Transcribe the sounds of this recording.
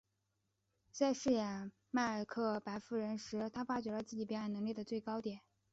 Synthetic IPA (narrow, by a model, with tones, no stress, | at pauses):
t͡sa˥˧ɪʂɻ̩˥˩jɛ˨˩n | ma˥˩ə˞˨˩kʰɤ˥˩pa˧˥ɪfu˥˩ɻə˧˥nʂɻ̩˧˥t̪ʰa˥fa˥t͡ɕɥɛ˧˥lə˧t͡sɹ̩˥˩t͡ɕi˨˩pjɛ˧˥ɻa˧˩nnɤ˧˥ŋli˥˩d̪ə˩t͡swe˥˩ɪkɑ˥ʊt̪jɛ˨˩˦n